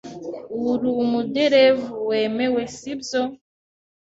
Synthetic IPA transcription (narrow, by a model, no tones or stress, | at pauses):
uɾumudeɾevuweːmewesibzo